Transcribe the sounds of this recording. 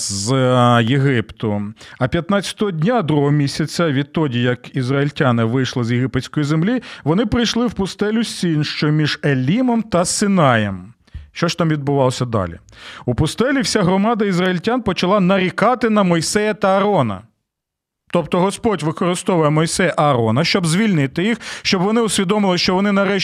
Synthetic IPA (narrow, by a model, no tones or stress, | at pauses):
zjeɦɪpt̪ʊɐpʲjɐt̪nɑt͡sʲɐ̥t̪ɔɦɔdʲnʲad̪ɾuɦɔmʲisʲɐt͡sʲɐʋʲit̪ːɔdʲijɐkizɾɐilʲtʲanɪʋɪjʃlˠɪzjeɦɪpet͡sʲkɔjizemlʲiʋɔnɪpɾɪjʃlˠɪwpʊst̪ɛlʲʊsʲinʃt͡ʃɔmʲiʒelʲːimɔmt̪ɐsɪnɑjɛm | ʃt͡ʃɔʃt̪ɑmʋʲid̪̚bʊʋɑlˠɔsʲɐd̪ɑ̰lʲḭupʊst̪ɛlʲiwsʲaɦɾɔmɑd̪ɐizrɐilʲtʲanpɔt͡ʃɐlˠɑnɐɾʲikɑt̪ɪn̪ɐmɔjsɛjɐt̪ɐːɾɔnɐ̰ | t̪ɔp̚t̪ɔɦɔspɔtʲʋɪkɔɾɪst̪ɔʋʊjɛmɔjsɛjɐʔɐɾɔnɐʃt͡ʃɔbzʲʋʲilʲnɪt̪ɪjixʃt͡ʃɔbʋɔnɪʊsʲʋʲid̪ɔmɪlˠɪʃt͡ʃɔʋɔnɪnɐɾɛ